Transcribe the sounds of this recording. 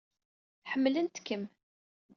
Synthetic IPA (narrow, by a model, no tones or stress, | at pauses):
ħəmːlənt̪kːəm